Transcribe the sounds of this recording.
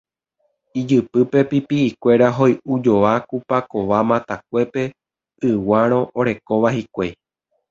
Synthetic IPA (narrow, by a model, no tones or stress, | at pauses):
id͡ʒɨpɨpe̞pipiːkʷe̞ɾaɦo̞jud͡ʒo̞ʋakupako̞ʋamãt̪ak̚ʷe̞pe̞ | ʔɨwaɾ̃õ̞ʔoɾe̞ko̞ʋahikʷe